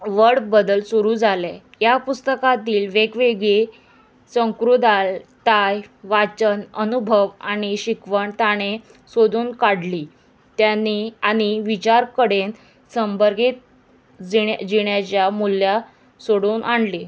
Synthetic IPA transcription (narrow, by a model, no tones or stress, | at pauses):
ʋəɽbəd̪əlsuɾuːd͡zʱale | japust̪əkat̪iːlʋeɡʋeɡɭe | sə̃ŋkɾud̪alt̪ajʋat͡ɕənənubʱəʋañiɕikʋəɳt̪aɽ̃e | sod̪uːnkaɽliː | t̪janːiaɽ̃iʋit͡ɕaɾkəɽen | səmbəɾɡiːt̪̚ | d͡ziad͡ʑiɳjat͡ɕjamulja | soɽuːnʔaɳɖli